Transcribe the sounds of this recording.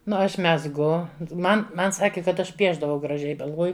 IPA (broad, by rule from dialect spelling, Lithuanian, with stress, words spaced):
ˈnʊ ˈɐʃ mʲɛzˈɡʊ ˈmɐn ˈmɐn ˈsɑːkʲɪ kɐt ˈɐʃ ˈpʲiɛʒdɐʋɐʊ ɡrɐˈʒʲɛɪ ɡɐlˠˈʋoːjʊ